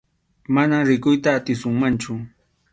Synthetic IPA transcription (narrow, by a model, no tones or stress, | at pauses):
manaɾɪkʊjt̪aːt̪ɪsʊŋmant͡ʃʊ